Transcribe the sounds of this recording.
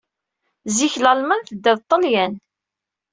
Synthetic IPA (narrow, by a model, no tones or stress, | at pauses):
ziçləlmənθəd̪ːəðt̪ˤːəljæn